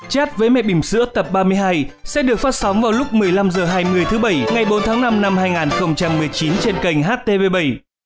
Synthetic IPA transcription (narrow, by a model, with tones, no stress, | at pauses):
t͡ɕaː˦˥t̚vəː˨˦jmɛ̰˧˨ɓï˧˩ŋ͡m̟sɨ̰˧˥ət̪ə˨˩p̚ɓaː˧mɨ˧əjɦaː˧jsɛ̰˧˥ɗɨ˨˩ək̚faː˦˥t̚sa˨˦wŋ͡mvaː˨˩wlʊ˦˥k͡p̚mɨ˨˩əjla˧mzəː˨˩ɦaː˧jmɨ˧˩əjt̪ʰɨ˨˦ɓə˧˩jŋa˨˩jɓo˨˦nt̪ʰaː˨˦ŋna˧mna˧mhaː˧jŋaː˨˩nxə˧wŋ͡mt͡ɕa˧mːɨ˨˩əjt͡ɕi˨˦nt͡ɕe˧nkə˨˩jŋ̟ɦaː˦˥t̚t̪e˧ve˧ɓə˧˩j